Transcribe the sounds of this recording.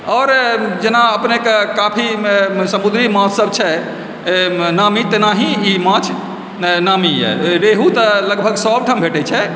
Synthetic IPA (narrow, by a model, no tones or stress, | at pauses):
ɔːɾd͡ʒenaəpnekekapʰimesəmud̪ɾimãt͡ʃsəbt͡ʃʰɛ | namit̪enaɦĩimãt͡ʃʰ | namijɛ̰ɾeɦut̪ələɡbʱəɡsɔbʈʰəmbʱeʈɛt͡ʃʰɛ